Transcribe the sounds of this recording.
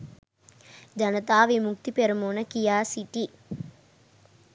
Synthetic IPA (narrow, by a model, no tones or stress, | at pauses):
d͡ʒɐnət̪aːʋimuk̚t̪ipeɾɐmoːnəkijaːsiʈi